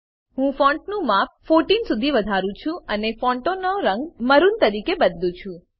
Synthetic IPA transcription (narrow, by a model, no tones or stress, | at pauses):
ɦũfɔ̃ɳʈnũmap̚foɾʈinsud̪ʱiʋəd̪ʱaɾũt͡ʃʰũənefɔɳʈonoɾəŋɡməɾunt̪əɾikebəd̪lũt͡ʃʰũ